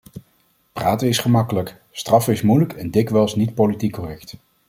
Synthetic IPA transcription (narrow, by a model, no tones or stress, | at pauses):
praːtənɪsχəmɑkələk | strɑfɪsmujləkɛndɪkʋɛlˠsnit̚politikːɔrɛkt